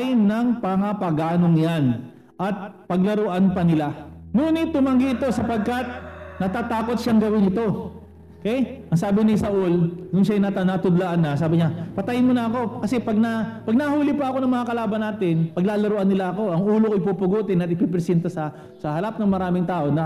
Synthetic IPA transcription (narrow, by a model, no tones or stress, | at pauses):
jnɐŋpɐŋapɐɡaːno̞ŋjan | ʔɐt̪̚pɐɡ̚lɐɾoʔanpɐnɪlaŋuːnɪt̪ːʊmɐŋɡɪɪt̪o̞sɐpɐɡ̚kat̪̚nɐt̪at̪aːko̞t̪̚ʃaŋɡɐwɪnɪt̪o̞ | okɛjʔɐŋsaːbɪnɪsɐʔʊlnʊnʃajnat̪anat̪ʊd̪laʔanːɐsaːbɪɲapɐt̪ɐjɪnmʊnɐɐko̞kɐsɛpɐɡ̚nɐpɐɡnɐhuːlɪpɐʔɐko̞nɐŋmɐŋakɐlaːbɐnːaːt̪ɪnpɐɡ̚laːlɐɾoʔɐnːɪlaɐko̞ʔɐŋuːlokoɪpupʊɡuːt̪ɪnɐt̪ɪpɪpɾɛsɛnt̪ɐsɐ | sɐhɐɾap̚nɐŋmɐɾaːmɪŋt̪aːʔo̞nɐ